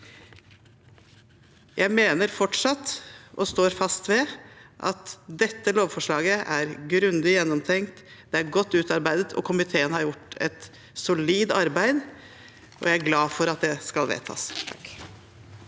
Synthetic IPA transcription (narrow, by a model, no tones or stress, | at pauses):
jʔæɪmeːnəɾfɔʈʂɑt̪ːɔst̪oːɾfɑst̪ʋɛʔɑ̰t̪d̪ɛt̪ːəloːʋfɔʂɭɑːɡəʔæɾɡɾʉnd̪ɪjɛnːɔmt̪ʰɛŋkt̪ | d̪̥ɛæɾɡɔt̪ːʉːt̪ɑɾbæɪd̪ət̪ʰɔ̰kʰʊmɪt̪ʰeːənhɑɾjʊʈːɛ̰t̪ | sʊliːd̪ɑɾbæɪd̪ | ʔɔ̰jæɪæɾɡlɑːfɔɾɑt̪̚d̪ɛskɑlʋḛt̪ʰɑ̰ːs